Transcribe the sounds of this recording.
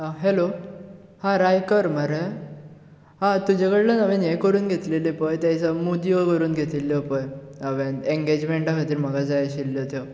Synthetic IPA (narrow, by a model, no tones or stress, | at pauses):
ɦelo | hãɾajkəɾməɾə | ɦãt̪ud͡ʑaɡəɽlənaʋenjekəɾuːnɡʱet̪lelepəjt̪jãjt͡samud̪iəkəɾuːnɡʱet̪ilːjɔpəjəʋeneŋɡed͡ʑmeɳʈakʰat̪iːɾm̤əɡad͡zajɕilːjɔt̪jɔ